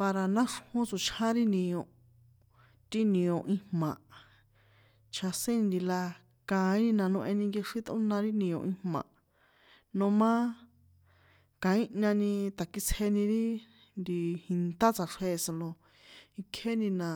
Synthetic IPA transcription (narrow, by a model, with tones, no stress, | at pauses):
pa˧ɾa˨nã˦ʂhũ˦t͡su˧˨t͡ʃʰã˦ɾi˦nĩ˨õ˧˨ | t̪i˦nĩ˧õ˨ʔĩ˧hmã˨ | t͡ʃʰa˧sẽ˦nĩ˧nd̪i˧la˧ | kã˨˧ĩ˦nĩ˧nã˧nõ˧ʔẽ˧nĩ˧ŋɡe˧ʂi˦t̪õ̰˦nã˧ɾi˦nĩ˧õ̰˨ʔĩ˧hmã̰˨ | nõ˧mã˦ | kã˨ĩ˦ɲã˧nĩ˧t̪a˨ki˧t͡sʰhe˧nĩ˧ɾi˦ | nd̪i˧hi˧nt̪a˦t͡sa˨ʂe˧˨sa˧lo˧ | i˧kʰe˦nĩ˧nã˨